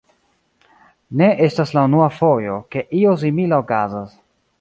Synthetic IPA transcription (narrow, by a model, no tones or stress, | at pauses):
ne̞ʔe̞staslaunuafo̞jo̞ke̞ʔios̬imilaokazas